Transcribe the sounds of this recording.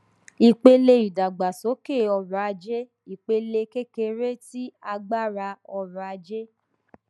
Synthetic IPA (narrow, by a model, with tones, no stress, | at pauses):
i˧k͡pe˧le˧i˨da˨ɡ͡ba˨so˨˦ke˦˨ɔ˧ɾa˨˦a˧d͡ʒe˦ | i˨k͡pe˧le˧ke˦ke˧ɾe˦ti˦a˧ɡ͡ba˦˨ɾa˧ɔ˧ɾa˨a˧d͡ʒe˦